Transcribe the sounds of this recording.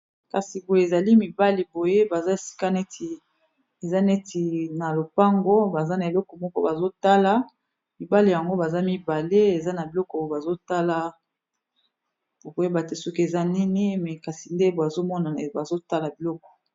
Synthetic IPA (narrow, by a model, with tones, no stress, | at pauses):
ka˨si˨bo˨je˨za˨li˦mi˨ba˦li˨bo˨je˦ba˨za˦e˨si̥˦ka˦ne˦ti˨ | e˨za˦ne˦ti˨na˨lo˨pa˦ŋɡo˦ba˨za˦na˨e˨lɔ˦kɔ˨mɔ˦kɔ˦ba˨zo˦ta˦la˦ | mi˨ba˦li˨ja˨ŋɡo˦ba˨za˦mi˦ba˨le˦e˨za˦na˨bi˨lɔ˦kɔ˨ba˨zo˦ta˦la˦ | bo˨bo˨je˦ba˨te˦su˦ke˨za˦ni˦ni˦mɛ˨ka˨si˨nde˦bo˨a˨zo˦mɔ˦na˨ba˨zo˦ta˦la˨bi˨lɔ˦kɔ̥˨